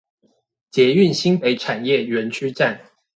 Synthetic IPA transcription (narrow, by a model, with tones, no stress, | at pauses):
t͡ɕjɛ˨˧˥y˥˨nɕi˥ŋpe˧˥ɪʈ͡ʂʰa˨˩njɛ˥˨ɥɛ˨˥nt͡ɕʰy˥ʈ͡ʂa˥˨n